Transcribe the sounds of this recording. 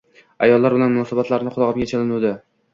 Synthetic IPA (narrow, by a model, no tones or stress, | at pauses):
a̰jɒlːaɾbɪlanmʊnɒsabat̪laɾnɪqʰʊlˠɒʁɨmɡʲat͡ʃʰalɪnud̪ɪ